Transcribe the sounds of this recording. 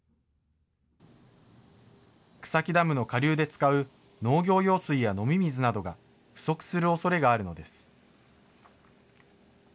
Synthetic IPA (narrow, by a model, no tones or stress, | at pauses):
kɯ̟̥sakʲid̪amɯ̟no̞kaɾʲɨːd̪e̞t͡sɨ̥kaɯ̟ | no̞ːɡʲo̞ːjo̞ːsɨijano̞mʲimʲizɨnad̪o̞ɡa | ɸɯ̟̥so̞kɯ̥sɨɾɯo̞so̞ɾe̞ɡaːɾɯ̟no̞d̪e̞sɨ̥